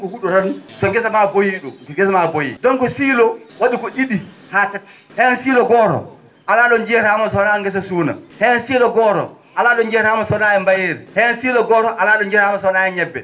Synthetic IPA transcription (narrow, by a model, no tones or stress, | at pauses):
kɔhuɗɔɾansɔɡɛsamabojiɗɔkɔɡɛsamabojḭdɔnkɔsiːlɔ | waɗikɔʔiɗi | hatati̥hɛnsiːlɔɡɔːɾɔ̰ | ʔalaɗɔnd͡ʒɛɾhamasɔnaŋɡɛs̬asuːna̰hɛnsiːlɔɡɔːɾɔ̰ | ʔalaːɗɔnd͡ʒɛɾhamasɔnajɛmbajeɾihɛnsiːlɔɡɔːɾɔʔalaɗɔnd͡ʒɛɾhamasɔnajɛɲɛbːɛ̰